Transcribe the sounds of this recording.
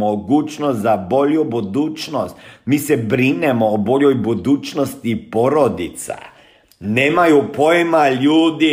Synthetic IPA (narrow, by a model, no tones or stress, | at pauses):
oɡuːt͡ʃnost̪zabo̞ʎjubud̪uːt͡ʃnost̪miːsebɾinemoːbo̞ʎojbud̪uːt͡ʃnost̪ipo̞ɾod̪it̪sa̰ | neːmajupojemaʎuːd̪i